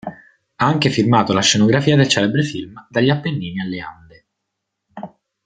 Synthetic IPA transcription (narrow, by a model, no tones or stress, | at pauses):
aaŋkefirmaːt̪olaʃːenoɡɾafiːad̪elt͡ʃɛːlebɾefilmd̪aʎːapːenːiːnialːea̰nd̪e